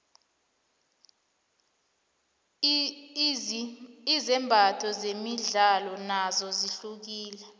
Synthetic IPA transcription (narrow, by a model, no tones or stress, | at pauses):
izɛmbʱatʰɔzemiɮalɔnazɔziɬuk̬iːlɛ